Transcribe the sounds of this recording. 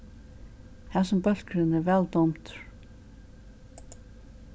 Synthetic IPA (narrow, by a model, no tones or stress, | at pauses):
hɛsɔmpœl̥kɾɪnɛɾvɛlt̪ɔmt̪